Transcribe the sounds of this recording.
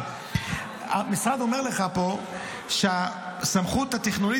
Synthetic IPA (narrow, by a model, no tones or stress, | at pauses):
a̰misʁad̪o̞me̞ʁleχapo̞ | ʃea | samχut̪at̪eχnoli